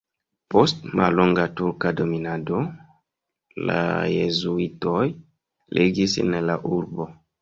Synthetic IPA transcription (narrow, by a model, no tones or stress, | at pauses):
po̞stmʔa̰lloŋɡatuɾkado̞minado̞ | la̰jezuitoj | lʔḛɡisḛnlaʔuɾbo̞